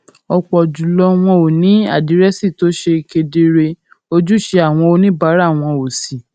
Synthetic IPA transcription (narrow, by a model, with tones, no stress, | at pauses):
ɔ˧k͡pɔ˨d͡ʒu˨lɔ˧w̃ɔ̃˧o˨nĩ˨˦a̰˦˨di˨˦ɾɛ˦si˦˨to˨˦ʃe˧ke˧de˧ɾe˧ | o˧d͡ʒu˦˨ʃe˧a˨w̃ɔ̃˧o˧nĩ˦ba˨˦ɾa˦˨w̃ɔ̃˧o˨si˨